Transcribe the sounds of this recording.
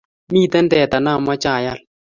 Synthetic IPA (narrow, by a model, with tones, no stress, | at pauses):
miː˦tɛ˦ndɛ˨ta˨na˦˨ma˦t͡ʃaː˨ja˦˨l